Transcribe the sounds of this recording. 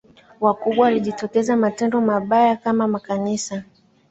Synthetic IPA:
wakuɓwawaliʄitɔkɛzamatɛndɔmaɓajakamamakanisa

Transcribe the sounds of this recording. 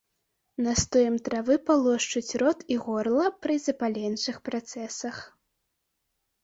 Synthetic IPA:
nɐst̪ɔjɛmt̪ɾavɨpalˠɔʂt͡ʂut͡sʲrɔt̪iɣɔrlˠɐpɾɨzɐpalʲɛnt͡ʂɨxpɾat̪sɛsɐx

